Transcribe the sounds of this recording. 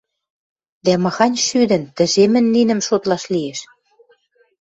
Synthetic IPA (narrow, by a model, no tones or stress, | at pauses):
d̪æmɤ̆xɑnʲʃyd̪ə̆nt̪ə̆ʒemɘ̆nːinə̆mʃot̪lɑʃlijeʃ